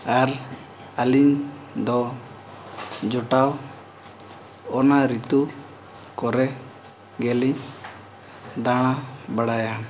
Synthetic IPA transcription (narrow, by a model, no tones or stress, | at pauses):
aɾ | aliɲd̪ɔ | d͡ʒɔʈaw | ɔnaɾit̪u | kɔɾɛ | ɡɛliɲ | d̪aɽ̃abaɽajan